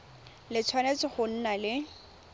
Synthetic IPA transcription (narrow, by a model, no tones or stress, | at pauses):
lɪt͡sʰwanet͡sɪχʊn̩nalɪ